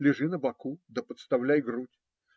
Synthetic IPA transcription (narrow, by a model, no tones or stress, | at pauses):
lʲɪʐɨnəbɐkud̪əpət̪st̪avlʲæjɡrutʲ